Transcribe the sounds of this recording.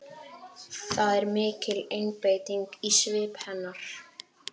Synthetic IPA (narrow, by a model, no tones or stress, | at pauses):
θaðɛɾmɪːcɪlejnpejt̪iŋkisvɪːphɛnːaɾ̥